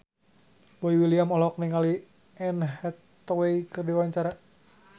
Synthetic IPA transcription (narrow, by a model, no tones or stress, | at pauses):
boiwiliamɔlɔk̚niŋali | ɛnɦɛt̪ː | ɔweikɨrdiwaɲt͡ʃaɾa